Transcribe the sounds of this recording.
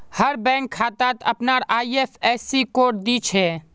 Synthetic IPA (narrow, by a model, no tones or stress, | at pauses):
həɾbɛ̃ːŋkʰːaːt̪aːt̪əpnaɾaːiepʰɛːsikoːʈ̚d̪it͡ʃʰɛː